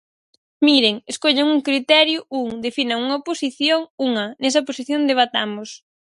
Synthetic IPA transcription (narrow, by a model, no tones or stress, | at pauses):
miɾeŋeskoʎaŋuŋkɾit̪ɛɾjʊuŋd̪efinɐŋuŋɐposiθjoŋuŋɐnɛs̬ɐposiθjond̪eβat̪amʊs